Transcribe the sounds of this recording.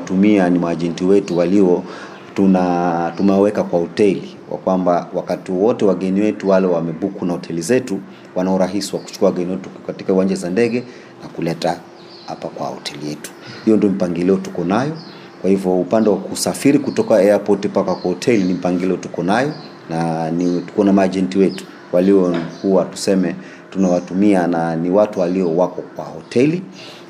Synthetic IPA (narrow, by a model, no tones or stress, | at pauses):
tumianimwaʄɛntiwɛtuwaliwɔ | tunatumɛwɛkakwahɔtɛli | wʔa̰kwambawakatiwɔwɔtɛwaɠɛniwɛtuwalɛwamɛɓukunahɔtʰɛlizɛtu | wanauɾaɦisiwaku̥t͡ʃu̥kuawaɡɛniwɛtukatikauwand͡ʒazandɛɠɛ | nakulɛta | hapakwa̰hɔ̰tʰɛlijɛtu̥hijɔndiɔm̩paŋɡilɛɔtu̥kɔnajɔ | kwahivjɔupandɛwakusafiɾikutɔkaɛapɔtipakakwahɔtʰɛlinim̩paŋɡilɛɔtukɔnajɔ | nanitu̥kɔnamad͡ʒɛntiwɛtu̥ | waliwɔkuwatu̥sɛmɛ | tunawatumiananiwatuwaliɔwakɔkwa̰hɔtʰɛli